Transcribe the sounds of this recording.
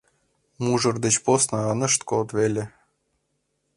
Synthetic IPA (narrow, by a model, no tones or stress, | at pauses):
muʐɤ̆rd̪ɘ̆t͡ɕposnɑɑnɤ̆ʂt̪kolt̪βelʲĕ